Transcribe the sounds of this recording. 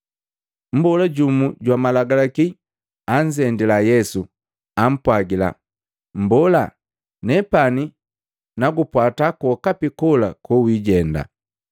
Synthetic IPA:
m̩bɔlaɟumuɟwamalaɡalaki | aɲd͡ʒɛndilajɛsu | am̩pwaɡila̰ | m̩bɔla | nɛpani | naɡupwatakɔkapikɔla̰kuwiɟɛnda̰

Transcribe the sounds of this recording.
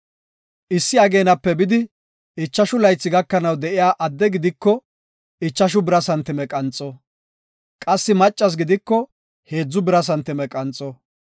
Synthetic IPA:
ʔɪsːɪɐɡe̞ːnɐpːɛbɪd̪ɪ | ɪt͡ʃːɐʃʊlɐjt͡sːɪɡɐkːɐnɐwd̪ɛʔɪjaːʔɐd̪ːɛɡɪd̪ɪkːɔ | ɪt͡ʃːɐʃ̬ʊbɪɾɐsɐnt̪ːɪmɛkʼɐnt͡sʼɔ | kʼɐsːɪmɐt͡ʃʼːɐs̬ɡɪd̪ɪkːɔ | he̞ːd͡zːʊbɪɾɐs̬ɐnt̪ːɪmɛkʼɐnt͡sʼːɔ

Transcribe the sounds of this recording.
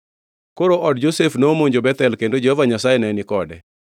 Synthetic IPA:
koɾoʔɔd̚d͡ʒosefnoːmoɲd͡ʒobɛt̪ɛlkendod͡ʒehɔvaɲasajɛnɛnɪkɔdɛ

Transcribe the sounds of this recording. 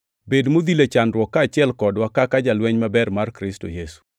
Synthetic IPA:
bedmod̪ilet͡ʃandɾwɔkːaːt͡ʃɪɛlkɔdwakakad͡ʒalwɛɲmabɛrmarkɾɪstojesu̥

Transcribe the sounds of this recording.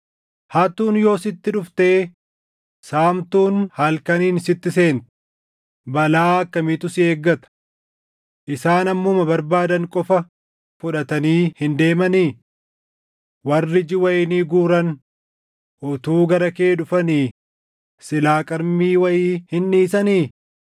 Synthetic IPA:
haːt̪uːnjo̞ːsɪt̪ːɪᶑʊft̪e̞ː | saːmt̪uːnhɐlkɐniːnsɪt̪ːɪse̞ːnt̪ | bɐlaːɐkːɐmit̪ʊsɪe̞ːɡːɐt̪ɐ̥ | ʔɪsaːnɐmːʊmɐbɐɾbaːd̪ɐŋkʼɔfɐ | fʊᶑɐt̪ɐniːhɪnd̪e̞ːmɐniː | wɐrːɪd͡ʒɪwɐjɪniːɡuːɾɐn | ʔʊt̪uːɡɐɾɐkeːᶑʊfɐniː | sɪlaːkʼɐɾmiːwɐjiːhɪnːiːsɐniː

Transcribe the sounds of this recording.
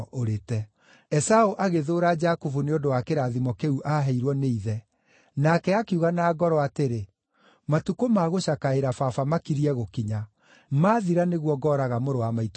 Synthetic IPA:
ʔoɾetɛ | ɛsaoʔaɣeðoːɾad͡ʒakofuneodowakeɾaðimɔkeuʔaɦɛiɾwɔneiðɛ | nakɛakeuɣanaːɡɔɾɔateɾe | matukomaɣoɕakaeɾafafamakiɾiɛɣokiɲa | maːðiɾaneɣwɔɡɔːɾaɣamoɾowamait

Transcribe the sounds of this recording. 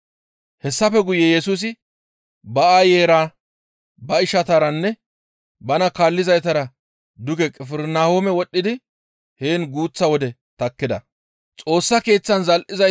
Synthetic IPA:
hɛsːɐfɛɡʊjːɛjɛsuːs̬ɪ | bɐaːjeːɾaː | bɐɪʃɐt̪aɾɐnːɛ | bɐnɐkaːlːɪzɐjt̪ɐɾɐ | d̪ʊɡɛkʼɛfɪɾnaːhoːmɛwɔɗːɪd̪ɪ | heːnɡuːt͡sːɐwɔd̪ɛ | t̪ɐkːɪd̪ɐ | t͡sʼo̞ːsːɐke̞ːt͡sːɐnzɐlʔɪzɐ

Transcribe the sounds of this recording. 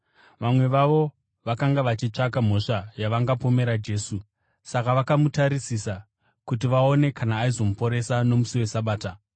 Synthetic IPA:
ʋamwe̞ʋaʋo̞ | ʋakaŋɡaʋat͡ʃit͡ʂakam̤o̞ʂajaʋaŋɡapo̞me̞ɾad͡ʒe̞ːsu | sakaʋakamutaɾisisa | kut̬iʋaone̞kanaːizo̞mupo̞ɾe̞sano̞musiwe̞saɓaːta

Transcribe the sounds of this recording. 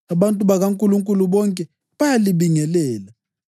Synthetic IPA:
aɓantʼuɓaɣaŋkʼuluŋkʼuluɓɔŋkʼɛ | ɓajaliɓiŋɛlɛːla

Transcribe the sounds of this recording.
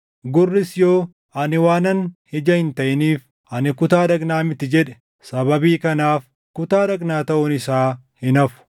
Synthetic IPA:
ɡʊrːɪsjo̞ː | ʔɐnɪwaːnɐnhɪd͡ʒɐhɪnt̪ɐʔɪniːf | ʔɐnɪkʊt̪aːd̪ɐɡnaːmɪt̪ːɪd͡ʒɛᶑɛ̥ | sɐbɐbiːkɐnaːf | kʊt̪aːdɐɡnaːt̪ɐʔʊnɪsaː | hɪnɐfʊ̥

